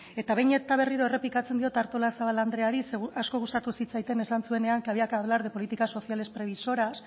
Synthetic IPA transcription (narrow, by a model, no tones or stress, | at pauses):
e̞t̪aβejɲe̞t̪aβ̞e̞riɾo̞ere̞plikat͡send̪io̞t̪aɾt̪o̞lasaβaland̪ɾe̞aɾiseasko̞ɣust̪at̪usit͡sajt̪e̞ne̞sansue̞ne̞aŋkaβiakaβlaɾð̞epo̞lit̪ikaso̞θiale̞spɾe̞β̞iso̞ɾas